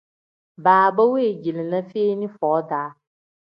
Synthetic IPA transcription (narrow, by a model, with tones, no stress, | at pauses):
baː˨ba˦we˦˨d͡ʒi˨li˨na˦feː˦ni˦fɔ˨˦daː˨˦